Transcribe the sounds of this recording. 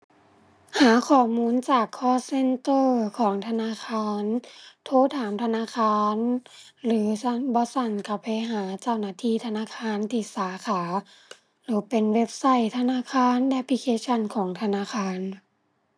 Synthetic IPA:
haː˨˦kʰɔː˧˨˩muː˧˥˨nt͡ɕaː˨˩kʰːɔː˧˥˨se˧˥˨nt̪ɤː˧˩kʰɔː˩˦ŋt̪ʰa˧naː˧˥˨kʰaː˧˥˩nt̪ʰoː˧˥˨t̪ʰaː˨˦mt̪ʰa˧naː˧˥˨kʰaː˧˥˨n | lɯː˨˦sa˧˥˨nbɔː˧˦sa˧˩nka˧˩pa˧jɦaː˩˦t͡ɕa˧˩˨wnaː˧˥t̪ʰiː˧˥˨t̪ʰa˧naː˧˥˨kʰaː˧˥˨nt̪ʰiː˧˩˨saː˨˦kʰaː˩˦ | lɯː˨˦pe˨nwe˦˧˥p̚sa˧˩˨jt̪ʰa˧naː˧˥˨kʰaː˧˥˨nlɛ˧˦pʰli˧kʰeː˧˥t͡ɕʰa˧˥˨nkʰɔː˨˩˦ŋt̪ʰa˧naː˧˨xʰaː˧˥˨n

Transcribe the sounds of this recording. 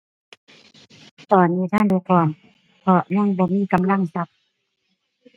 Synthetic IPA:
t̪ɔː˨˩nːiː˧˥˨t̪ʰaː˧˥˨nduː˧˦kɔː˧˩m | pʰɔ˧ɲa˧˥˨ŋbɔː˧˦miː˧˥˨ka˨mla˧˥˨ŋsa˧˦p̚

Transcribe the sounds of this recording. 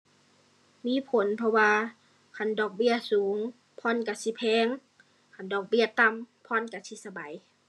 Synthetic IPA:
miː˧˥˨pʰo˨˦npʰɔ˧waː˧ | kʰa˧˩˨ndɔː˨˩k̚bi˧˥˨ɐsuː˨˦ŋ | pʰɔː˧˥˨nka˧˩si˧˦pʰɛː˧˥ŋ | kʰa˧˨ndɔː˨˩k̚bi˧˩ɐt̪a˧˨mpʰɔː˧˥˨nka˧˩si˧sa˧ba˨˦j

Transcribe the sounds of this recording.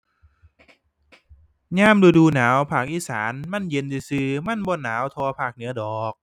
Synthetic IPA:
ɲaː˧˥˨mluː˧˩duː˧naː˩˦wpʰaː˨˩k̚ʔiː˧˩sa̰ː˩˦nma˧˥˨nje˧ndu˧˩sɯː˧˩ma˧˥˨nbɔː˧˩naː˩˦wt̪ʰɔː˧pʰaː˨˩k̚nɯ˩˦ɐdɔː˨˩k̚

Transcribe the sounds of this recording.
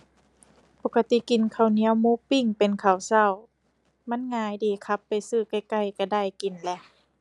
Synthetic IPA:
po˧kːa˧t̪i˧˨ki˨˩nkʰa˧˩wni˧˥˦ə˨wmuː˧˥˨pi˧˩˨ŋpe˨nkʰa˨˩wsa˧˩˨w | ma˧˥˨nŋaː˧˦jdiː˨˩kʰa˧˦pːa˨jsɯː˧˩ka˧˩jka˧˩˨jka˧˩da˧˩˨jki˨˩nlɛ˧ʔ

